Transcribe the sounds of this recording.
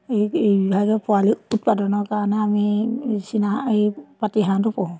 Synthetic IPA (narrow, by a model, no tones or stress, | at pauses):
eebibʱazɔpɔwaliut̚padɔnɔkaɹɔnɛamisinaʔejpatiɦandɔpɔ̃